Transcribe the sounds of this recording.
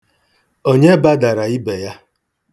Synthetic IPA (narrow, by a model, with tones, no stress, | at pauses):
o˦ɲe˦ba˦da˨ɾa˨i˦be˨ja˦